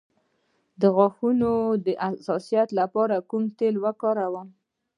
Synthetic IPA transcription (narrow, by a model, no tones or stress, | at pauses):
d̪əɣɑxunod̪əʔasɑsijat̪lapɑɾakumt̪elwakɑɾawam